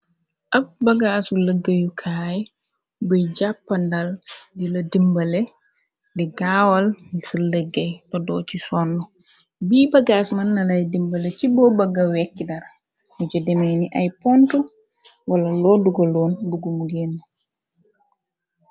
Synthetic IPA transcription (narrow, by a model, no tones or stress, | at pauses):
ʔafbaɡasuləɡːajukʰaːjɛ | bɔjd͡ʒapːandaldiladimbalɛ | dɛɡaːwalsuləɡːajtɔdɔt͡ʃisɔnːɔ | biːbaɡaːsmanːalajdimbalɛt͡ʃibɔbaɡawɛkːidaɾ | mud͡ʒɔdɛmeniʔajpɔntu | walalɔduɡɔlɔːnbuɡumuɡenːu